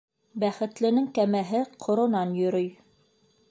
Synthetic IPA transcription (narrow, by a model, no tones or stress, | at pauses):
bæχɘ̆t̪lɘ̆nɘŋkæmæɦɘqʰŏɾŏnɑnjɵ̆ɾɵj